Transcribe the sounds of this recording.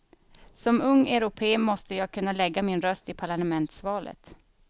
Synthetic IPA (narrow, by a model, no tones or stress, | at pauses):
sɔmɵŋːɛɾʊpʰeːmɔst̪əjɑːɡ̚kʰɵnːalɛɡːamɪnɾœst̪ɪpʰaɭanəmɛnt̪svɑːlə̰t̪